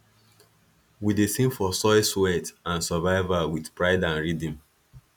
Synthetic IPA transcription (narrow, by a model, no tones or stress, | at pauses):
widesĩmfɔsɔɪswɛtãnsavaɪvawidpɹaɪdãnɹidĩm